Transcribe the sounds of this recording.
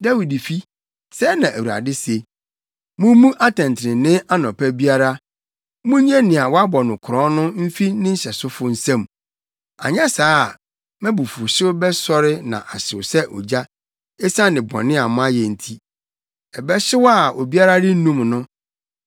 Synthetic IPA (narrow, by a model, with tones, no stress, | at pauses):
da˦wi˨di˨fi˦ | sɛ˦nã˨ʔæ˨wu˨ɾa̰˨dɪ˦se˨ | mʊ̃˦mũ˦ʔa˦tʰɛ̃˨ntʰɪ˨ɾɪ̃˨nɪ̃˦a˦nɔ̃˨pʰæ˦bi˦a˦ɾa˦ | mũ˦ɲɛ̃˦nɪ̃˨a˨wɔ˦a˦bɔ˨nʊ̃˨kʰʊ˨ɾɔ̃˦nʊ̃˦m̩˦fi˦nɪ̃˦ɲ̩˦ɕɛ˨sʊ˦fʊ˦n̩˦sã˦m | a̰˨ɲɛ̃˦saː˦˨ | mɛ̃˦bu˨fu˨ɕɪ˦bɛ˦sɔ˦ɾɪ˦nã̰˨ʔa˨ɕɪ˨wsɛ˦ʔɔ̰˨d͡ʑa˦ | ɛ˦sã˦nɪ̃˨bɔ̰̃˨nɪ̃˦a˨mʊ̃˦a˦jɛ˨n̩˦tʰi˦ | ɛ˨bɛ˦ɕɪ˦wa˦˨o˨bi˦a˦ɾa˦dɪ˦n̩˦nũ˦mnʊ̃˦